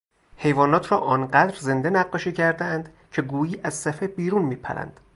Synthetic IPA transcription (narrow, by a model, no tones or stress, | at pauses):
he̞jvɒːnɒːt̪ʰɾɒːʔɒːnɢæd̪ɾze̞nd̪enæɡːɒːʃiːcʰæɾd̪eænd̪̥ | cʰe̞ɡuːjiːʔæzsæfebiːɾuːnmiːpʰæ̰ɾæ̰nd̪̥